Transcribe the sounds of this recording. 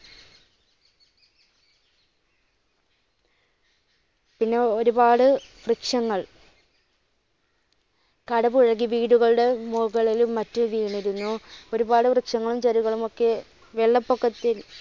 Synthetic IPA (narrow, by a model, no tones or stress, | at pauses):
pinːe̞o̞ɾubaːɽɨfrikʂɐŋːɐɭ | kɐɽɐbuɻɐɣiʋiːɽuɣɐɭuɽe̞moɣɐɭilumːɐtːuʋiːɳiɾunːuo̞ɾubaːɽɨfrɨkʂɐŋːɐɭumt͡ɕɐɾuɣɐɭumo̞kːe̞ | ʋeɭːɐpːokːɐt̪ːil